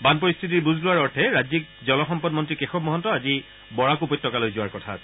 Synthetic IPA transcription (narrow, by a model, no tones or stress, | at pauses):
banpɔɹist̪ʰit̬iɹbuzlʊwaɹɔɹtʰɛɹazik̚zɔlɔxɔmpɔdmɔntɹikexɔb̚mɔɦɔntɔazi | bɔɹakupɔtːɔkalojzʊwaɹkɔtʰa̰sʰɛ